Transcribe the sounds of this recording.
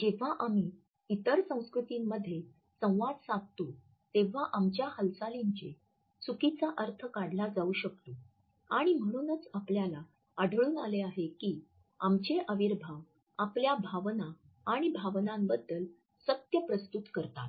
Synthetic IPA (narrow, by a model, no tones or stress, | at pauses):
d͡ʑeʋ̤aʔami | it̪əɾsə̃w̃skɾut̪imːəd̪ʱːje | sə̃w̃ʋad̪sãɡ̚t̪u | t̪eʋ̤aʔamt͡ɕjahəlsaliɲt͡ɕe | sukit͡saʔəɾt̪ʰəkaɽlad͡zauɕəkt̪u | aɽ̃im̤əɽ̃uːnət͡sapljala | aɽʱəɭuːnaleaɦekiː | a̰mt͡ɕeʔəʋiɾbʱa | apljabʱaʋna | aɽ̃ibʱaʋnãmbəd̪ːəl | sət̪jəpɾəst̪ut̪kəɾt̪at̪